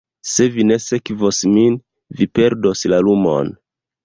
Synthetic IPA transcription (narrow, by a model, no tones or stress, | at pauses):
se̞vine̞se̞kvo̞smin | vipe̞ɾdo̞slalumo̞̰n